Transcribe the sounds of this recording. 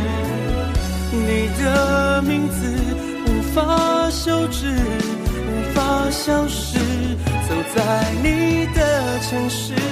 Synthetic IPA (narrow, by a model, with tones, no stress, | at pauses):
ni˨˩d̪ə˧mi˧˥ŋd͡z̩˧ | ni˨˩fa˥ɕjo˥ʊʈ͡ʂɻ̩˥˩ | nu˨˩fa˥ɕjɑ˥ŋʂɻ̩˥˩ | t͡sɤ˨˩ŋt͡sa˥˧˩ɪni˨˩d̪ə˧ | ʈ͡ʂʰɤ˧˥ŋʂɻ̩˥